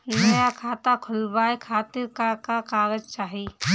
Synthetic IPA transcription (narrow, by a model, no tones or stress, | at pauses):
nəjakʰaːt̪akʰʊlbaːekʰaːt̪ɪɾkakakaːɡəd͡ʒt͡ʃaːɦi